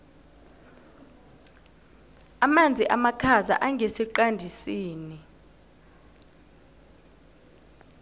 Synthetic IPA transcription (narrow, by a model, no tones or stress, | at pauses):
amand͡zʱiʔamakʰaza̰ʔaŋɡʱesiǃandʱisiːni